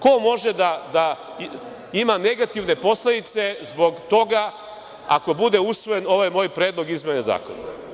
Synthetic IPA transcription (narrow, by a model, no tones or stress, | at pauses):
ko̞mo̞ʒed̪ad̪a | imane̞ɡat̪iʋne̞po̞sled̪it̪se̞zbo̞ɡt̪o̞ɡa | ako̞bud̪e̞usʋo̞je̞no̞ʋajmo̞ːjpɾe̞ːd̪lˠo̞ɡizmeneza̰ːko̞̰na̰